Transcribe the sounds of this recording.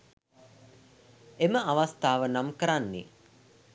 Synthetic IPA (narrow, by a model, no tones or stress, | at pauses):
eməʔaʋast̪aːʋənamkəɾanːḭ